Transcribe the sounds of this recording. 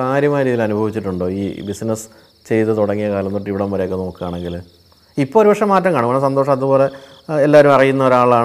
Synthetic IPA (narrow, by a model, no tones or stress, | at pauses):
kaːɾjɐmaːjɐɾiːðilɐnubʱɐʋit͡ɕːiʈːuɳɖo̞ːiːbisnɐs | t͡ɕe̞jt̪ɨt̪uɽɐŋːijɐkaːlɐnːuʈiʋiɽɐmʋɐɾeokːeno̞ːkːɨaːɳe̞ŋɡil | ipːoːɾuʋɐʂɐmːaːtːɐmkaːɳukɐːɳs̬ɐnd̪oːʂɐmɐðubo̞ːle̞ | elːaːʋɐɾumɐrijunːɐoɾaːɭːaːɳ